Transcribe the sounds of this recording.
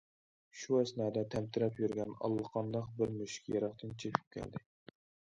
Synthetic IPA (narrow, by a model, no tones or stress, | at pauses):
ʃuæsnɛːd̪ɛt̪ʰɛmt̪ʰɪɾɛpjyɾɡʲɛnɑ̰lˠːəqʰɑnd̪ɑqbɪɾmøʃkʲʰjɑɾɑχt̪ɨnt͡ʃʰekʲʰy̥p̚kʲʰɛ̰ld̪ɪ